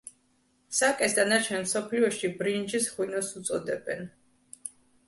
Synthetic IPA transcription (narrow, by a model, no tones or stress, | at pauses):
sakʼɛsd̪anat͡ʃʰɛnmsɔpʰliɔʃibɾind͡ʒisχwinɔsut̪sʼɔd̪ɛbɛn